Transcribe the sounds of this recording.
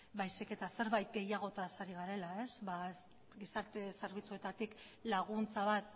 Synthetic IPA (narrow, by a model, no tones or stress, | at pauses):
bajsike̞t̪ase̞ɾβajt̪̚ɡe̞jaɣ̞o̞t̪asaɾiɣaɾe̞lae̞sbas | ɡisaɾt̪e̞seɾβit͡sue̞t̪at̪ik | laɣ̞unt͡saβat̪